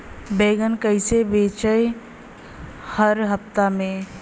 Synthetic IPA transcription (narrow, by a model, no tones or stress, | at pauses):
beːɡənkəɪsebeːt͡ʃəe | həɾɦɐft̪amẽ